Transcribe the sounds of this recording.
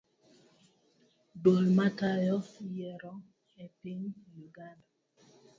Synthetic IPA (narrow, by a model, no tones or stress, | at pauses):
dolmatajɔjɛɾɔ | ɛpiŋjuɡanda